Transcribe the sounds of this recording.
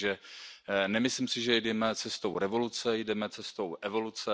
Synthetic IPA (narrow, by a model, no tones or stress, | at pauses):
ʒɛ | nɛmɪslimsɪʒɛjdɛmɛt͡sɛst̪owɾɛvo̞lut͡sɛjdɛmɛt͡sɛst̪owʔɛvo̞lut͡sɛ